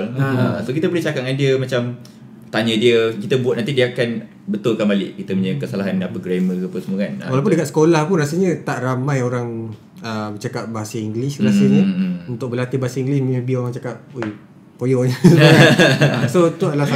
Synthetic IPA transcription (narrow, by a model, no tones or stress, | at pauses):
əsokit̪əbəliht͡ʃakaʔ̚ŋandiəmat͡ʃam | t̪aɲədiəkit̪əbuat̪̚nãnt̪idiəakan | bət̪ʊlkanbalɪ̰ʔkit̪əmuɲəkəsalaɦanapəɡɾaməkpəsəmukanawalawp̬undəkat̪sə̥kolahpunras̬iɲət̪aʔramãjoɾaŋ | əbət͡ʃakaʔ̚baɦasaiŋɡlisnasiɲəunt̪ʊk̚bəlat̪ibaɦasaiŋɡlismiəbioɾaŋt͡ʃakap̚ej | pojɔɲəsə | sot̪uadalasa